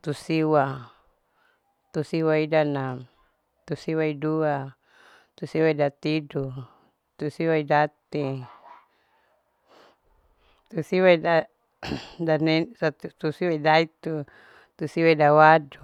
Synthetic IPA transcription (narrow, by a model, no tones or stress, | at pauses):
t̪usiwa | t̪usiwaidanam | t̪usiwaidua | t̪usiwaidat̪idu | t̪usiwaidat̪i | t̪usiwaida | danɛsat̪ut̪usiwaidait̪u | t̪usiwaidawadu